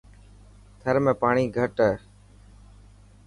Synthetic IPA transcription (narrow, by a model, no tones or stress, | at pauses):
t̪ʰəɾmẽːpaːɳiːɡʱəʈː